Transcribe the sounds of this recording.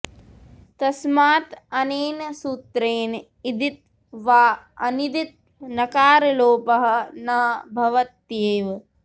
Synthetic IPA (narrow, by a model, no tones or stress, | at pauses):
t̪ɐsmaːt̪ɐneːnsuːt̪ɾeːn | id̪it̪̚ | ʋaː | ɐ̰nid̪it̪̚ | nɐkaːɾɐloːpɐɦɐ̆nɐbʱɐʋɐt̪jeːʋ